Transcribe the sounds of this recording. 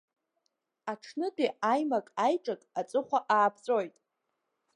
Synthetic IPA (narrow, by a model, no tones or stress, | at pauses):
aʈ͡ʂʰnɨdiajmakʼajʈ͡ʂʼakʼat͡sʼɨχʷaʔaːpʰt͡sʼo̞jtʼ